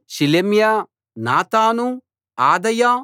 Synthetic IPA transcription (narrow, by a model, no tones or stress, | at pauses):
ʃilemja | naːt̪aːnu | aːd̪ɐja